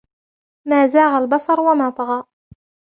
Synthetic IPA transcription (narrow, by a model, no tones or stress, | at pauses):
maːzaːɣalbɑsˤɑɾˤwamaːt̪ˤɑɣɑːʔ